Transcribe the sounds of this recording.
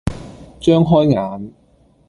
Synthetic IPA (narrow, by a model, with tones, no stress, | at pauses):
t͡ʃœː˥ŋɦɔː˥jŋaː˨˥n